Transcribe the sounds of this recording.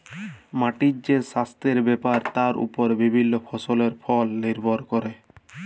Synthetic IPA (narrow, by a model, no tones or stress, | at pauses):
maʈid͡ʒd͡ʑeʃast̪eɾbɛpaɾt̪aɾʔṵpoɾbibʱinːofʰɔsoleɾfʰɔlːeɾbʱoɾkɔɾe